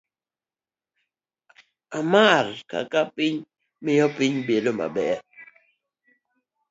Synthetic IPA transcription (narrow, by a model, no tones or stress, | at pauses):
amarka̰kapɪɲ | mɪjɔpɪɲbedoma̰bɛ